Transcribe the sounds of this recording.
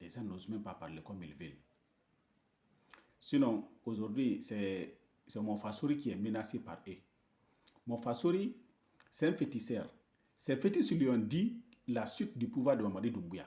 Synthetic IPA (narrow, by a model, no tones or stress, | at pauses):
ɛsãnozmɛ̃mpapaɾlekɔmḭlvil | sinɔ̃oʒoɾdwisɛ | sɛmɔ̃fasoɾikiɛmenasepa̰ɾe | mɔ̃fasoɾi | sɛɛ̃nfetisɛɾ | sɛfetisiliɔ̃ndilasit̚dipuvwaɾdemamadidumɡuja̰